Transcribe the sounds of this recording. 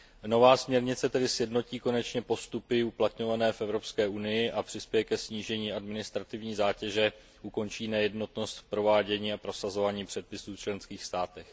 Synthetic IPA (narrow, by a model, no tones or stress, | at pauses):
no̞vaːsmɲɛɾɲɪt͡sɛt̪ɛdɪsjɛdno̞ciːko̞nɛt͡ʃɲɛpo̞st̪upɪuplat̪ɲo̞vanɛːfʔɛvɾo̞pskɛːʔunɪjɪʔapr̝̥ɪspjɛjɛkɛsɲiːʒɛɲiːʔadmɪnɪst̪ɾat̪ɪvɲiːzaːcɛʒɛ | ʔuko̞nt͡ʃiːnɛjɛdno̞t̪no̞st̪fpɾo̞vaːɟɛɲiːapɾo̞sazo̞vaːɲiːpr̥ɛt̪̚pɪsuːft͡ʃlɛnskiːxst̪aːt̪ɛx